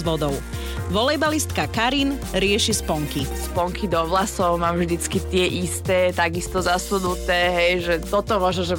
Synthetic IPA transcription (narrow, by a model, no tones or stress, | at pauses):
ʋɔd̪ɔʊ | ʋɔlɛjbalist̪kakaɾinɾɪɛʃispɔŋkispɔŋkid̪ɔʋlasɔʊmaːmvʒd̪it͡skit̪ɪɛʔist̪ɛːt̪aɡist̪ɔzasunut̪ɛːɦɛjʒɛt̪ɔt̪ɔmʊɔʒɔʒɛ